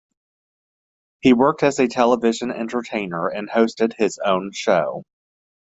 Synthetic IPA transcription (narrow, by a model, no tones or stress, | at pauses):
hiwɜ˞k̚tɨzɨtʰɛlˠəvɪʒɨ̃nɛ̰̃ntə˞tʰẽɪ̃nə˞ɨ̃nhoʊstɨd̚ɪzõ̰ʊ̃nʃoʊ